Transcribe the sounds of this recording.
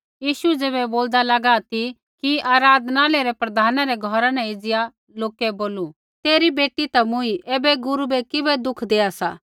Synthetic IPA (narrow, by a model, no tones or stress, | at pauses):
jiːʃuɛd͡zeːβɛboːld̪alɐɡat̪i | kiaːɾaːd̪naːleɾɛpɾɐd̪ʱaːnãɾɛɡʱɔɾãnɛ̃ɪd͡zɪja | loːkɛboːlu | t̪eːɾibeːʈːit̪ɐmʊ̃iʔeːbɛɡʊɾubɛkɪbɛd̪ʊkʰd̪eːasa̰ː